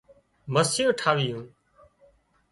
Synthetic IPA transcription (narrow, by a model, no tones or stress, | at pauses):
məsɪjõːʈʰaːʋɪjũː